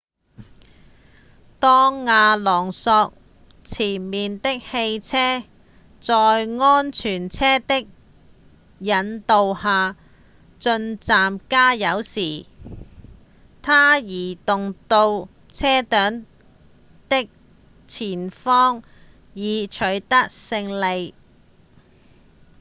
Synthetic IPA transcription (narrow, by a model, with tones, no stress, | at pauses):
t̪ɔː˥ŋːaː˧lɔː˨˩ŋsɔː˧k̚ | t͡sʰiː˨˩nmiː˨nt̪ɪ˥k̚he˧jt͡sʰɛː˥ | t͡sɔː˧jŋɔː˥nt͡ʃʰyː˨˩nt͡sʰɛː˥t̪ɪ˥k̚ | jɐ˨˧nt̪o˨˧whaː˨˧ | t͡ʃɵ˧nt͡saː˨mkaː˥jɐ˨˧wsiː˨˩ | t̪ʰaː˥jiː˨˩t̪ʊ˨ŋt̪o˧w | t͡sʰɛː˥t̪œː˨˥ŋ | t̪ɪ˥k̚ | t͡sʰiː˨˩nfɔː˥ŋ | jiː˨˧t͡ʃʰɵ˨˧˥ɥt̪ɐ˥k̚sɪ˧ŋle˨˧j